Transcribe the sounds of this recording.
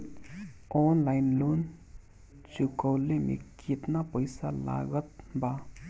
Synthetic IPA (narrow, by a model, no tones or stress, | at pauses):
ɔnlaɪnlon | t͡ʃukəwlemḛkit̪napəjsala̰ɡət̪̚ba